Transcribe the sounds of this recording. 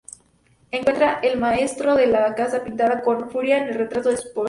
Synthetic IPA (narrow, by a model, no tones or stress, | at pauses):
eŋkwe̞nt̪ɾaʔe̞lmae̞st̪ɾo̞ðe̞lakasapint̪aðako̞nfuɾjaenelre̞t̪ɾat̪oðespo